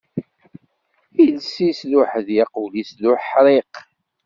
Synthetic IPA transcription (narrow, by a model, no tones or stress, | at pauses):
ilsislʊħðjɑqulisðʊħɾˤeq